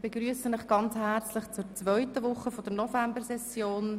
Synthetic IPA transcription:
b̥eɡɾyːəsənɪχɡ̥ɑnt͡shært͡slɪχt͡sʊɾt͡svœʏtəʋʊχːəfɔd̥əɾnɔfɛmbəɾsɛsjoːn

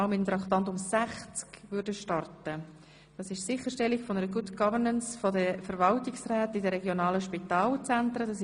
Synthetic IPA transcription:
ʊmɪt̪əmt̪ɾɑkt̪ɑnt̪ʊmsæχt͡skvʏɾdəʃtɑrtə | d̥ɑsɪʃsɪχəʃtɛliɡfɔnəɾəɡʊdɡɑvəɾnənsfɔdəfəɾvɑltɪksɾɛːtidəɾɛɡjonɑːləʃpitɑːlt͡sænt̪ɾədɑs

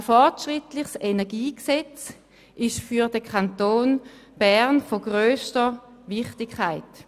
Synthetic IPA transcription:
əfɔʁtʃʁɪtlɪχsenɛɐɡiːksɛt͡s | ʔɪʃfyɐdəkʰantoːnb̥ɛʁnfoɡʁøːstəvɪχtɪkʰːaɪt

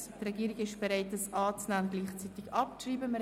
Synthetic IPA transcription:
trɛɡiːɾɪɡɪʃb̥ɛɾaɪt̚əsʔɑːt͡snaːnɡliːχt͡sitɪɡɑpt͡ʃriːbəmə

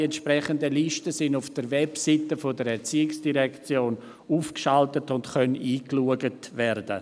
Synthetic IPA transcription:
ɛntʃpʁɛχəndəliʃtəsɪnʊfd̥əɾʋɛpsitəfodəɾɛɾt͡siːɪksd̥iʁɛkt͡sjoːn | uːfkʃaltətʊntχœniːkluəɡətvɛɾdə̰

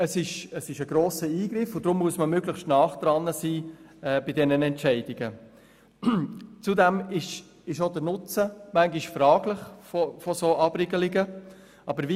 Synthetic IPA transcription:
əsɪʃəsɪʃəɡ̥ɾoːsəiːɡ̥ɾɪfʊd̥ɾʊmːuəsməmøɡləχʃtnɑːχd̪̥ɾɑnːəsiː | ɛːbɪdɛnənɛntt͡ʃɛɪd̥ɪɡə | t͡sudɛmɪʃ | ɪʃodəɾnʊt͡səmæŋɡiʃfrɑːɡləχfɔfɔsoːʔɑb̥rɪɡəlɪɡə | ʔɑbəɾvi

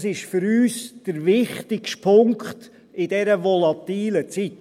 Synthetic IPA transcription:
sɪʃfʏɾyːsd̥əɾʋɪχtɪkʃtpʰʊŋkχt | ɪdɛɾəvɔlɑt̪iːlət͡sit

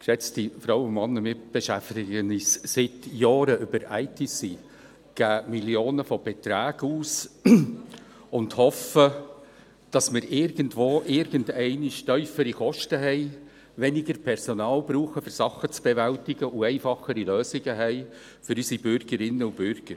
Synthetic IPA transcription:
kʃɛt͡stifɾɑwʊnmɑnːəmɪb̥eʃæftɪɡənissɪtjɑːɾəʔʏbəɾæɪtʰisi | ɡ̥æːmiljoːnəfɔb̥ɛt̪ɾæːɡ̥uːs | ʊndhɔfə | d̥ɑsmɪːɾʔɪɾɡəntʋoːʔɪɾɡəndɛɪnɪʃtœʏfəɾikɔʃtəɦɛɪ | ʋɛnɪɡəɾpʰɛɾsɔnɑːlbɾuːχəfʏɾsɑχət͡sb̥ɛvæltɪɡəʔʊɛɪfɑχəɾiløːsɪɡəɦɛɪ | fʏɾysibʏɾɡ̥əɾɪnːəʊb̥ʏɾɡ̥əɾ

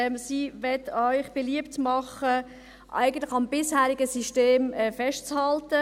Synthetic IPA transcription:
msiːʋɛtœʏχb̥eliəptmɑχə | ʔæ̰ɪɡən̩tlɪxɑmb̥ɪshæːɾɪɡəsiʃteːmɛfɛʃtt͡shɑltə

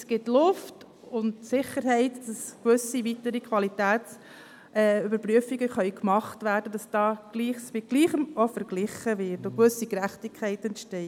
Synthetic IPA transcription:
sɡ̥ɪtlʊft | ʊndsɪχəɾhɛɪtd̥ɑskʋʏsivitəɾikχʋɑlitæːs | ɛʏbəɾpɾyəfiɡəχœʏɥkmɑχtvæːɾd̥əd̥ɑsd̥ɑːɡ̥liːχsmɪɡ̥liːχəmɔfəɾɡ̥lɪχəvɪɾtokʋʏsikɾæχtikʰːɛɪtɛntʃtɛɪ

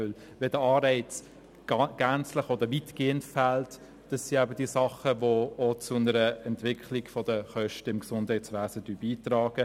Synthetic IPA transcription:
øl | vɛdəɑːɾɛɪt͡s | ɡ̥ænt͡slɪχɔd̪əɾviːtɡ̥eːəntfælt | d̥ɑsːiæbədiːsɑχəvoot͡sʊnəɾəɛntv̥ɪkʰχliɡ̥fɔd̥əχœʃtəɪmksʊnd̥hɛɪtt͡sʋæːsəd̥yːbiːtrɑːɡ̥ə

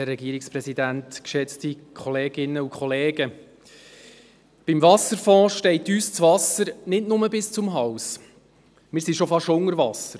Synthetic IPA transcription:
ɛrːɛɡiəɾɪkspɾɛsidæntkʃɛt͡stikʰɔleːɡɪnːəukʰχɔleːɡə | b̥imvɑsəɾfɔ̃ːʃtɛɪtyːst͡svɑsəɾnɪdnʊməbɪst͡sʊmɦɑws | mɪːɾsiʃɔfɑʃʊŋəɾvɑsəɾ

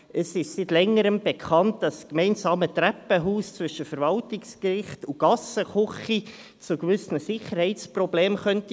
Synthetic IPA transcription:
ʔəsɪʃsitlɛŋəɾəmb̥ekʰχɑnt̚d̥ɑskmɛɪnsɑːmətɾæpːəɦuːst͡sʋʏʃəfəɾvɑltɪkskrɪχtuɡ̥ɑsəχʊχi | t͡sʊɡvʏsnəsɪχəɾhɛɪt͡sprɔbleːmχœnti

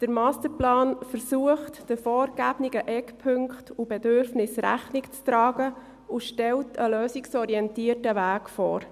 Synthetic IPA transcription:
d̥əɾmɑːstəɾplɑːnfəɾsuəχtd̥əfɔːɾɡæbniɡəʔɛkpʰɵŋkχtʰubɛdʏɾfnɪsɾæ̰χnɪkt͡stɾɑːɡə | uʃtɛltʰəløːsiksɔɾiɛntiːətəʋæːkfɔ̰ːɾ

